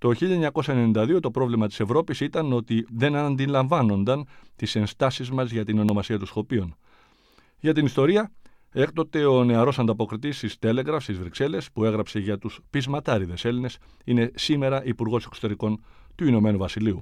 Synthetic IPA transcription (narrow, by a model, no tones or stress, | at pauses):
t̪o̞çiʎɐɲɐko̞sɐenenind̪ɐðio̞t̪o̞pɾo̞vlimɐt̪i̥se̞vɾo̞pisit̪ɐno̞t̪iðe̞nɐnd̪ilɐɱvɐno̞nd̪ɐnt̪ise̞nst̪ɐsizmɐzʝɐt̪ino̞no̞mɐsiɐt̪usxo̞pion | ʝɐt̪inist̪o̞ɾiɐ | e̞kt̪o̞t̪e̞o̞ne̞ɐɾo̞sɐnd̪ɐpo̞kɾit̪ist̪ist̪e̞le̞ɣɾɐfst̪izvɾikse̞le̞spue̞ɣɾɐpse̞ʝɐt̪uspizmɐt̪ɐɾiðe̞se̞line̞s | ine̞sime̞ɾɐʔipuɾɣo̞se̞kso̞t̪e̞ɾiko̞nt̪uino̞me̞nuvɐsiliu